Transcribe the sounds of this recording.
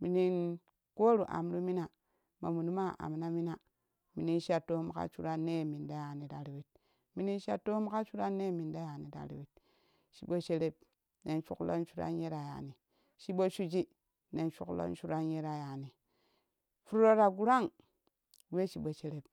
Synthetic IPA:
mi˨ni˦n | ko˦ɾu˨ʔa̰˨m˦lu˦mi˦na˨ | ma˨mu˨nu˦ma˦˨ʔa̰˨m˨na˦mi˦na˨ | mi˨ni˦nʃa˦tːo˦m˨ka̰˦t͡ʃu˦ɾa˦ne˦˨mi˨nda˦ja˨ni˨da˨ɾi˨wi˨t̚ | mi˨ni˦nʃa̰˦tːo˦m˦ka˦t͡ʃu˦ɾa˦ne˦˨mi˨nda˦ja˨ni˨da̰˨ɾḭ˨wi˨t | ʃi˦ɓo˦t͡ʃe˦ɾe˦b̚ | ne˨nt͡ʃu˦klo̰˦nt͡ʃu˦ɾa̰˦je˦ɾa˨ja̰˨ni˨ | ʃi˦ɓo˦ʃu˦d͡ʒi˦ | ne˨nt͡ʃu˦klo̰˦nt͡ʃu˦ɾa˦je˦ɾa˨ja˨ni˨ | fu˦ɾɾo˦ɾa˨ɡu˨ɾa˦ŋ | we˦ʃi˨ɓo˨t͡ʃe˦ɾe˨p̚

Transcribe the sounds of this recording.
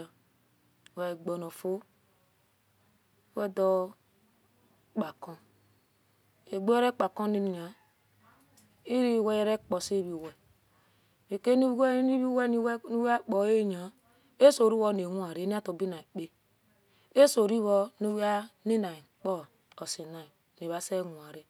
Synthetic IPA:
we˨ɡ͡bo˨no˨fo˦ | we˦do˦ | k͡pa˨ko˦ | e˨ɡ͡bo˦e˦ɾe˦k͡pa˨ko˦ni˦ni˨ɲa˨ | i˦ɾi˦˨we˦e˦ɾe˦k͡po˨se˦βi˨wɛ˨ | me˨ke˦ni˦ni˦βi˦we˦nu˦wa˦k͡po˨˦e˦ɲa˨ | e˦so˨ɾi˦βo˦ne˨ŋu˦a˨ɾe˨˦ni˦a˦to˨bi˦na˨i˨k͡pe˦ | e˦so˨ɾi˦βɔ˦nu˦wa˦ni˦na˨i˨k͡pɔ˦˨ | o˨si˨na˨i˨ | ne˨βa˨se˦ŋu˨a˨ɾe˦

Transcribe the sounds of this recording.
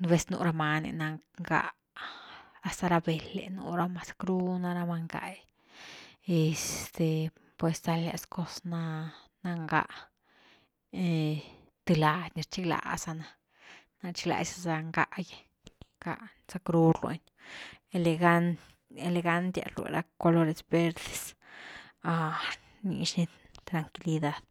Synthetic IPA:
be˧˦snṵ˧˨ɾa˧ma˧nḛ˨na˧ŋɡa̰˧ʔ | a˧st̪a˧ɾa˧be˨lːḛ˨nṵ˨ɾa˦ma˧skɾu˦na˦ɾa˦ma˧ŋɡa̰˧j | e˧st̪e˨ | pwe˧st̪a˧lja̰˧sko˦sna˦˧ | na˧ŋɡa̰˧˦ʔ | e | t̪ɨ˧la˧d̪ʲni˧ɾt͡ʃi˦kla̰˨sa˧na˧ | na˧t͡ʃi̥˧kla̰˧jsa˧za˧ŋɡa˧je˨ | ɡ̥a̰˦nsa˦kɾu˦ɾlwḛ˨n | e˧le˧ɡa˦n | e˧le˧ɡa˦nt̪ʲja̰˨lḛ˨ɾa˧ko˧lo˧ɾe˧sbe˦ɾd̪e̥˨s | a˧ | nḭ˧ʃni˧ | t̪ɾa˧ŋki˧li˧d̪a˦d̪̥

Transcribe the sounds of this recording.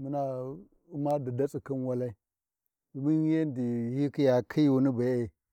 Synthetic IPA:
mu˦na˨ | u˦ma˦da˨da˦t͡sʼi˨ki˦nwa˦la˦i˦˨ | mi˦n˦je˦ndi˨ji˦ki˦ja˨kʰi˦jwu˦ni˦ba˨e˨

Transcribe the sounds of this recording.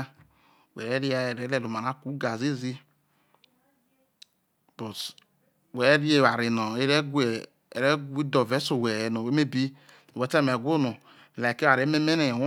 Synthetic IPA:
we˨ɾe˦ɾi˦a˦˨ɾe˨˦le˦˨lu˨ma˨na˦ku˨˦ɡa˨zi˦zi˦ | bɔ˨s | we˨˦ɾi˦e˦˨wa˨ɾi˨no˨e˦ɾe˦ɡʷe˨ | ɾe˦ɡi˦do˨ve˨˦so˨we˨no˨e˦me˦˨bi˦˨ | we˨˦ta˦m˨e˨ɡʷo˦no˨ | la˨ke˦a˨ɾme˦me˦ne˨jw

